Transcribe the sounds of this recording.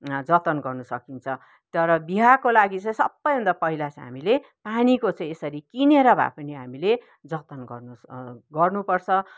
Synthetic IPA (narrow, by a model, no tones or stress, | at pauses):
d͡zʌt̪ʌnɡʌrnusʌkint͡sʰʌ | t̪ʌɾʌbiɦakolaɡit͡sʌĩsʌ̰bːʌjbʱʌnd̪apʌɦilat͡sɦa̰mile | panikot͡sʌ̃ĩesʌɾikineɾabʱa̰pʌniɦamile | d͡zʌt̪ʌnɡʌrnuɡʌrnupʌrt͡sʰʌ